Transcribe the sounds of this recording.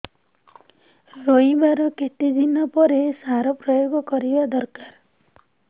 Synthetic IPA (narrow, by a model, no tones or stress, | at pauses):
ɾoibaɾɔket̪id̪inɔpɔɾesaɾɔpɾɔjoɡɔkɔɾibad̪ɔɾkaɾ